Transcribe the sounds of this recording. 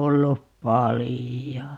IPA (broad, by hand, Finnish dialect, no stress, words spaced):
olːup pɑlijo